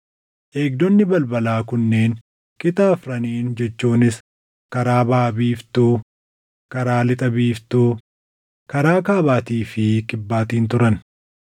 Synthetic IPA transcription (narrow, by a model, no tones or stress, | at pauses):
ʔe̞ːɡ̚d̪ɔnːɪbɐlbɐlaːkʊnːeːn | kɪt̪aːfɾɐniːnd͡ʒɛt͡ʃːuːnɪs | kɐɾaːbaːbiːft̪uː | kɐɾaːlɪt̪ʼɐbiːft̪uː | kɐɾaːkaːbaːt̪iːfɪkʼɪbːaːt̪iːnt̪ʊɾɐn